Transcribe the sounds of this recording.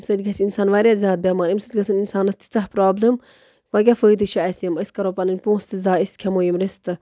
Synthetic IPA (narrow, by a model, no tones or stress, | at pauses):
msɐd̪ʲɡʰɐsʲinsaːnʋaːɾʲjaːzʲaːd̪̚bʲaːmɐɾimsɐt̪ʲɡɐsɐninsaːnɐst̪i̥t͡sɐɦpɾaːblɨm | kɐɡʲafəːd̪ɨʃɐɐsjɐmɐsʲkɐɾõːpɐnɨnʲpũːst̪ɨzaːiskʲʰɐmoːjimɾist̪ɨ